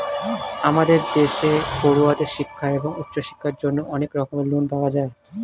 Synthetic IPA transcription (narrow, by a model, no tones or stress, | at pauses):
amad̪eɾd̪eʃekoɾuad̪eʃikʰːaeboŋut̪ːɕoʃi̥kʰːaɾd͡ʑonːoʔɔnekɾɔkomelunpaɡad͡ʑae